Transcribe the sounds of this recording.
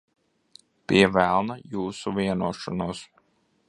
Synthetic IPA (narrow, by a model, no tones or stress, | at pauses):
piɛvælˠnajuːsuvʲiɛnuɔʃɔnuɔs